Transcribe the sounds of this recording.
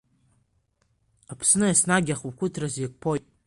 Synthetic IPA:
apʰsnɨasnaɡʲaχukʷʰʊtʰrazak̚ʷʼpʰo

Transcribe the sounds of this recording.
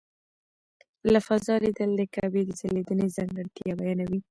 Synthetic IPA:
lafazɑlid̪əlːəkawed̪əzaled̪ənezaŋɡəɽt̪jabajɑnawi

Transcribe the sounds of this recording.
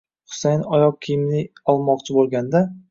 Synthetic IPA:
χʊ̥sajnɒjɒq̚kʲʰijɪmlɪɒlˠmɒqt͡ʃʰɪbolˠɡʲand̪a

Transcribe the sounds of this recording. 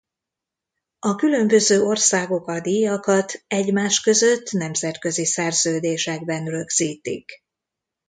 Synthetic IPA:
ɒkylø̞mbø̞zøːo̞rsaːɡo̞kɒd̪ijɒkɒt̪ɛɟmaːʃkø̞zø̞t̪ːnɛmzɛt̪kø̞zisɛrz̥øːd̪eːʃɛɡ̚bɛnrø̞ɡz̥iːt̪ḭk

